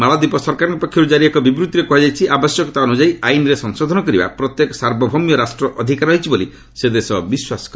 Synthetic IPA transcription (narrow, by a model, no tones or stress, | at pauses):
malad̪ipɔsɔɾkaɾɔ̃ŋkɔpɔkʰjɔɾud͡ʒaɾiekɔbibɾut̪iɾekuɦad͡ʒajt͡ʃʰiʔabɔsjɔkɔ̥t̪aɔnud͡ʒajainɾesɔŋsod̪ʱɔnɔkɔɾiba̰pɾɔt̪jekɔ̥saɾbʱɔbʱɔmjɔɾasʈɾɔʔɔd̪ʱikaɾɔɦit͡ʃʰiboli | sed̪esɔbiswasɔ̥kɾ